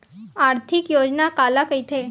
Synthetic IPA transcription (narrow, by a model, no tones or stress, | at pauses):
aɾt̪ʰikjod͡ʑnakalakəjt̪ʰe